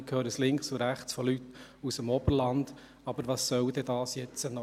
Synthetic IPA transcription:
kʰhøːɾəslɪŋksʊɾæχt͡sfɔlytusəmɔb̥əɾlɑnd̥ | ɑbəɾʋɑsːœwd̥̪ɛd̪ɑːsjɛt͡sənɔ

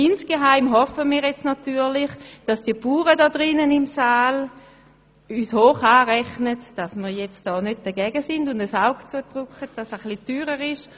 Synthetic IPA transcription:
insɡ̥eɦaɪmɦɔfəmiːʁjɛt͡stnatyːlɪχd̥asd̥iəpuːʁədɔdʁɪnənɪmsaːl | yːshoːχaːʁɛχnətd̥asmiːjɛt͡std̥ɔːnød̚d̥əɡɛɡəsɪndʊndəsaʊɡt͡suətʁukχət̚d̥asəχlityːʁəʁɪʃ

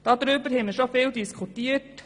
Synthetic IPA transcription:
d̥ɑːd̪ɾøbəɾhɛməɾʃofeːld̪ɪskʰʊt̪iːəʈ

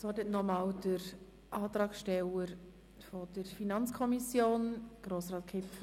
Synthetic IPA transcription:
sɔdətnɔmɑːwd̥əɾ | ʔɑːt̪ɾɑːkʃtɛwəɾ | fɔd̥əɾfinɑnt͡skʰɔmisjoːnɡ̥roːsɾɑːt̚kʰɪf

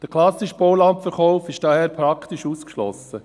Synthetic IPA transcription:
d̥əkʰlɑsɪʃb̥olɑmpfɛɾχɔʊfɪʃd̥ɑːhɛːɾpʰɾɑkʰt̪ɪʃuːskʃlɔ̰sə

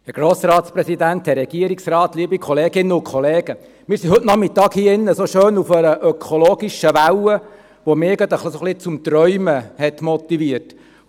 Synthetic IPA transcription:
hɛɡ̥ɾoːsɾɑːtspɾɛsidænthɛɾːɛɡ̥iəɾiksrɑːt̪liəbikʰɔleːɡɪnːəʊnkʰɔleːɡ̥ə | mɪːɾsiɦɵtnɑχmɪt̪ɑːkhiːəɪnːəsoʃøːnufəɾəʔœkʰoloːɡiʃəʋæwə | ʋomɪːɡɑd̪əχlisoχlɪt͡sʊmt̪rœʏməhɛtmɔt̪iviət

